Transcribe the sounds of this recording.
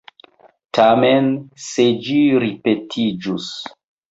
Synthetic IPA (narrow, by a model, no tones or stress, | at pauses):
tʰamensed͡ʒiɾipetʰid͡ʒus